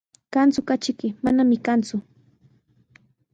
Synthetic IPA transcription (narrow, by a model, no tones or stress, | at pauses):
kant͡sʊkat͡ʃɪkɪmanamɪkant͡sʊ